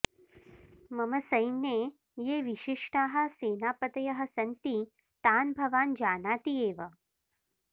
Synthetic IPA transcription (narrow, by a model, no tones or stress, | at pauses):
məməsəjnje | jeʋiɕiʂʈaɦə̆seːnaːpət̪ɐjɐɦɐsɐnt̪i | t̪aːnbʱɐʋaːnd͡ʑaːnaːt̪ieːʋə